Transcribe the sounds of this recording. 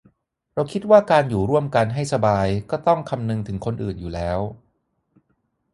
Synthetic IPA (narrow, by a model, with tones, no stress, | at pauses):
ɾa˧wkʰi˦˥t̪̚waː˥˩kaː˧njuː˨˩ɾu˥˩əmka˧nɦa˥˩jsa˧baː˧jkɔː˥˩t̪ɔ˥˩ŋkʰa˧mnɯ˧ŋt̪ʰɯ˩˦ŋkʰo˧nʔɯː˨˩njuː˨˩lɛː˦˥w